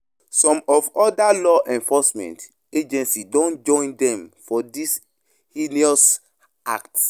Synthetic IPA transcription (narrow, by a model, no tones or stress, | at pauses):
sɔ̃mɔvɔdalɔʔɛ̃nfɔsmɛ̰̃nt | ed͡ʒɛ̃nsidõnd͡ʒɔ̃ndɛ̃mfɔdis | hiniɔs | a̰k̚ts